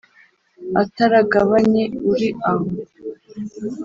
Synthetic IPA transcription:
ataɾaɡaβaɲe̞uɾiaɦo

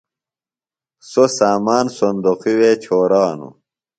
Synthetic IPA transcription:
sosaːmaːnsond̪oqiwet͡ɕʰoːɾaːnṵ

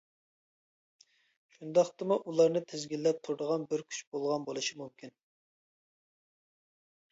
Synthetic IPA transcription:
ʃund̪ɑχt̪ɨmuʔulˠɑɾnɨt̪ʰɪzɡʲilːɛp̚t̪ʰuɾd̪əʁɑnbɪɾkʲʰy̥t͡ʃbolˠʁɑnbolˠɨʃimumkʲin

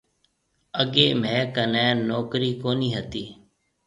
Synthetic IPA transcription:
əɠeːmɛ̃ːkənɛːnoːkɾiːkoːniːɦət̪iː

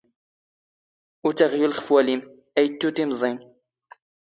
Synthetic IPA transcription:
ut̪aʁjulχə̥fwælim | ʔæjt̪ːut̪imzˤin

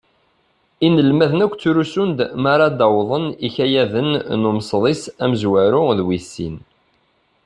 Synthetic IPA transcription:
inəlmæðənækʷːt͡sːuɾusund̪maɾˤɑd̪ɑwðˤəniçæjæðənnumsˤðˤisæməzwæɾʊðwisːḭn

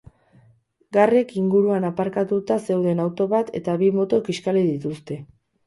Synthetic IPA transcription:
ɡare̞kiŋɡuɾuanapaɾkat̪ut̪ase̞uwðe̞nawt̪o̞βat̪e̞̰t̪aβimo̞t̪o̞kiskaliðit̪ust̪e̞

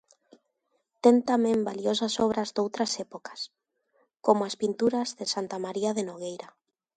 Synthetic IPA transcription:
t̪ent̪amẽmbaliosasɔβ̞ɾazd̪owt̪ɾasɛpokḁs | komʊaspint̪uɾazðesant̪amaɾiaðenoɣ̞ejɾa

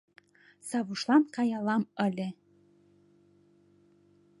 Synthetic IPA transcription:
sɑβuʃlˠɑnkɑjɑlɑmə̆lʲĕ

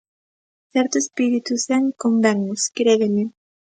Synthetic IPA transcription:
θeɾt̪uespiɾit̪useŋkombeŋuskɾeðeni

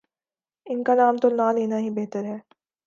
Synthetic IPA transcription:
ɪnkanaːmt̪onaːleːnaɦibeɦt̪əɾɦɛː

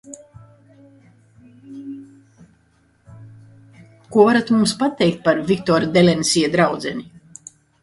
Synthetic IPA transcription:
kuɔvaɾat̪mumspat̪ɛjk̚t̪̚paɾvʲikt̪ɔɾad̪ɛlʲɛnisiɛd̪ɾawd̪zɛni

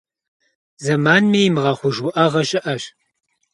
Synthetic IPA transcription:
zɐmaːnmiːmɨʁɐχʷʊʒuʔɐʁɐɕʼɪʔɐɕ

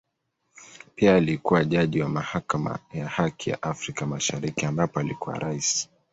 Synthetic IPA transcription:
piaːlikuwaʄaʄiwamahakama̰jahakʰija̰ʔafɾikamaʃaɾikiambapɔalikuwa̰ɾaisi̥

